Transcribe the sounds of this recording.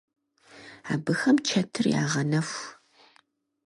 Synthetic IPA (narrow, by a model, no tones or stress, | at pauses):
a̰ːbɨxɐmt͡ʃʰɐtʰɨrja̰ːʁɐnɐf